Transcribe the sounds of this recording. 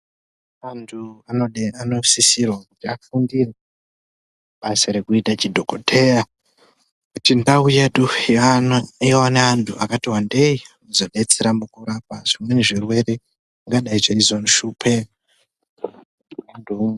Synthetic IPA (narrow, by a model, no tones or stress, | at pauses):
antʰuanoano̞sisirwakutiafundire | ɓaseɾekuitat͡ʃidʱokotʰe̞ja | kutindauje̞ɗu | jewaneantʰuakatiwandei | uzoɗe̞t͡seɾamukuɾap̚aʐ̥imwe̞niʐirwe̞re | ŋɡaɗaiʐeizonʃupʰe | andum